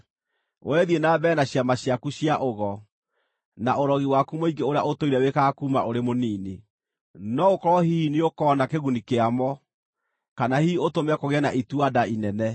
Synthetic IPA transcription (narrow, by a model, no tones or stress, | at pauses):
o̰wɛðienaːbɛnaɕjamaɕjakuɕjaʔoɣɔ | naʔoɾɔɣiwakumoiɡeoɾeaotoiɾɛwekaːkuːma̰oɾemoniːne | nɔokɔɾɔhiiniokɔːnakeɣunikeamɔ | kanahiotomɛkoɣeɛnaʔituadainɛnɛ